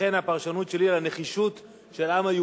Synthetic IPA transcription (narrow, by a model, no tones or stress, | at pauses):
e̞napaʁʃanutʃe̞lilaneχiʃut̪ | ʃe̞lamaju